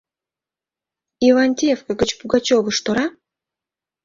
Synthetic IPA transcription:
ivanʲt̪ʲefkəɡət͡ɕpuɡat͡ɕovə̆ʃt̪oɾa

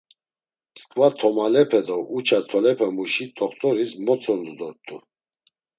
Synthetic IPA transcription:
pskʼvat̪ʰɔmalɛpʰɛd̪ɔʔut͡ʃʰat̪ʰɔlɛpʰamuʃit̪ʰʼɔχt̪ʼɔɾismɔt͡sʰɔnd̪ɔd̪ɔɾt̪ʰʼu

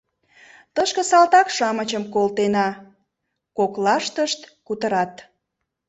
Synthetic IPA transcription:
t̪əʃkə̆sɑlt̪ɑkʃɑmət͡ɕəmkolt̪enɑ | koklɑʃt̪əʃt̪kut̪əɾɑt̪

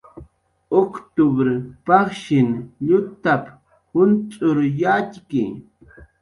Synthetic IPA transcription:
okt̪ʊbɾɪpɑχʃɪnʎʊt̪ap | hʊnt͡sʼʊɾjat͡ʃkɪ̰

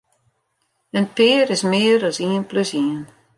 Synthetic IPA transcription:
ənpɪəɾɪsmɪəɾɔsiənpløsiən

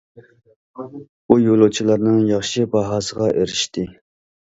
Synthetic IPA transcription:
bujolˠut͡ʃʰilˠɑɾnɨŋjɑχʃibɑɦɑːsəʁɑʔeɾɪʃt̪ɪ

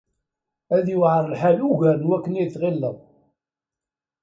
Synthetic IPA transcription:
æðjuwʕəɾˤəlħaluʝæɾənwækːəniθʁilːəʁ

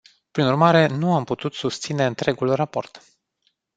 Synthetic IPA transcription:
pɾinurmaɾe̞nuamput̪ut̪sust̪sine̞ɨnt̪ɾe̞ɡulrapo̞̰rt̪

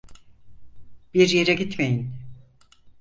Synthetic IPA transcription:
b̥iɾjeɾɛɟit̪mejin

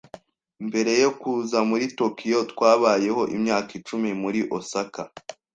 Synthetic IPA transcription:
mbe̞ɾe̞jo̞kuzamuɾito̞kijo̞tkwaːβaːje̞ho̞ʔimɲaːkit͡ʃumimuɾiʔosaka

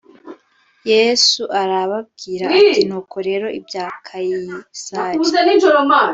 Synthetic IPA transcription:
je̞ːsuʔaɾaβab̚ɡiːɾaatinuːkʰo̞ɾe̞ɾo̞ʔibɟaːkʰajisaueninʒoɾoma

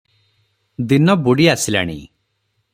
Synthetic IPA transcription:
d̪inɔbuɽiasila̰ɽ̃ḭ

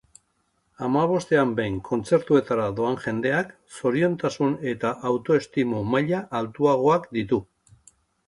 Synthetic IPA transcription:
amaβ̞o̞st̪e̞ambe̞jŋkʰo̞nt͡se̞ɾt̪ue̞t̪aɾaðo̞anʝe̞nd̪e̞ak | so̞ɾio̞nt̪asune̞t̪aʔawt̪o̞e̞st̪imumaʎaʔːlt̪uaɣ̞o̞akd̪it̪u

